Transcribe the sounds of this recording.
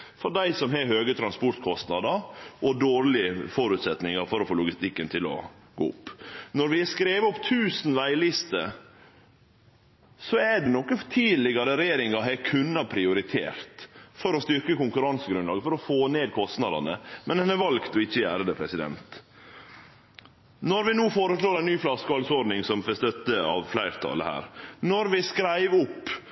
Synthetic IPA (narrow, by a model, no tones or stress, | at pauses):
fɔɖæɪsɔmɦɛɦøːɡət̪ʰɾɑnspɔɾt̪kʰɔst̪nɑd̪əɾʔɔd̪oːɾlɪəfɔɾʉt̪sɛt̪nɪŋɑɾfɔɾɔfoːlʊɡɪst̪ɪkːənt̪ʰɪlɔ̰ | ɡo̰ːʊ̰pːnɔɾʋɪɛskɾeːʋəɔpt̪ʰʉːsn̩ʋæɪlɪst̪ə̰ | sɔɛɖɛnɔkːət̪ʰiːlɪɡɑɾəɾɛjeːɾɪŋɑɦɛkʰʉnːɑpʰɾɪʊɾɪt̪ʰḛːɾt̪fɔɾɔst̪ʏɾkəkʊŋkʉɾɑnsəɡɾʉnlɑ̰ːɡəfɔɾɔfoːneːd̪̚kʰɔst̪nɑd̪ɑ̰nə̰mɛnd̪ɛnɛɾʋɑlkt̪ɔɪçːəjæ̰ɾd̪əpʰɾɛsɪd̪ɛ̰nt̪ | nɔɾʋɪnuːfoːɾəslɭoːɾæɪnnyːflɑskɑlsɔɾɖnɪŋsɔmfɛst̪œt̪ːəɑ̰ʋflæɪɾt̪ʰɑ̰ːlə̰hæ̰ːɾnɔɾʋɪskɾæɪʋʊpː